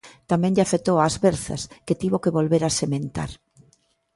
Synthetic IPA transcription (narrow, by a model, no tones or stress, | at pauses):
t̪amɛ̃ŋʎafet̪owazβɛɾθɐ̰sket̪iβokeβolβeɾasemẽnt̪a̰ɾ